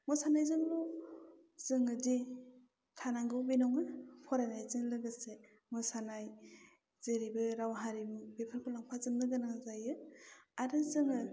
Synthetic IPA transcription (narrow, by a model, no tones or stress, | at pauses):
mɯsanajzɯŋlɔ | z̥ɯŋɯdi | tʰanaŋɡɯwbinɔŋɯpʰɔɾanajzɯŋlɯɡɯse | mɯsanaj | z̥eɾibɯɾawɦaɾibbepʰaɾpʰɯlaŋpʰazɯmnɯɡɯnaŋzajɯaɾɯzɯŋɯ